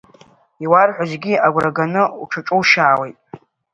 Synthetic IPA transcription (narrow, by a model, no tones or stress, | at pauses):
iwarħʷᶣazɡʲiaɡʷraɡanɨuʈ͡ʂʰaʈ͡ʂʼuwʃaːwejtʼ